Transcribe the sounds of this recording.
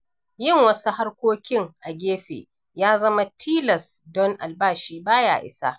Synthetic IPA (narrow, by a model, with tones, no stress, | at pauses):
jɪ˦˨ŋwɐ˦su˦ɦa˦rkʷoː˦kʲɪ˦ŋʔa˨ɡʲeː˦ɸḛ˨ | jaː˦zɐ˦ma˦tʰiː˦lɐ˨sdɔ˦ŋʔa̰˨lbaː˦˨ʃiː˦baː˦ja̰ː˨ʔɪ̰˦sa˦ʔ